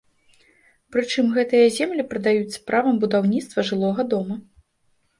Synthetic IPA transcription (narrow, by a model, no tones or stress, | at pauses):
pɾɨt͡ʂɨmɣɛt̪ɨjɐzʲɛmlʲipɾɐd̪ajusʲːɐ̥pɾavɐmbud̪awnʲit̪st̪vɐʐɨlˠɔɣɐd̪ɔmɐ